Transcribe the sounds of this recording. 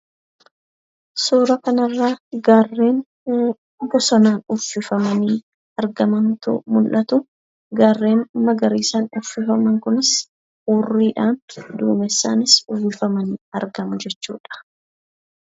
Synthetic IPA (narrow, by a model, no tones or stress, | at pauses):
suːɾɐkɐnɐrːaːɡaːrːe̞ːn | ʊbɔsɔnaːnʊfːɪfɐmɐniː | ɐɾɡɐmɐnt̪ʊ̰mʊlʔɐt̪ʊ | ɡaːrːe̞ːnʊmːɐɡɐɾiːsaːnʊfːɪfɐmɐŋkʊnɪs | uːrːiːᶑaːnd̪ṵːmɛsːa̰ːnɪsʊfɪfɐmɐniːɐ̰ɾɡɐmʊd͡ʒɛt͡ʃːṵːᶑɐ̥